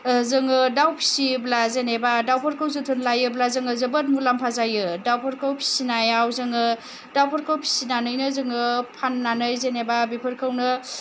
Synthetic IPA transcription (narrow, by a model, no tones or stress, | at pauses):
zɯŋɯdawpʰi̥siblazenebadawpʰəɾkʰɯwzɯtʰɯnlajɯblazɯŋɯzɯbət̚mulampʰazajɯdawpʰɯɾkʰawpʰi̥sinajawzɯŋɯ | dawpʰaɾkʰawpʰi̥sinanɯjnɯzɯŋɯpʰanːanɯjzenebabepʰɯɾkʰɯwnɯ